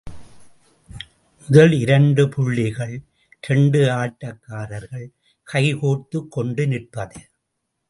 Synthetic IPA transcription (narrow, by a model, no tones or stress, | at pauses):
mʊðɐlɪɾɐɳɖɯpʰʊɭːɪɣɐɭ | ɾɛɳɖɯaːʈːɐkːaːɾɐɾɣɐɭ | kʰɐɪhoːt̪ːɯkːɔɳɖɯnɪrpɐðɯ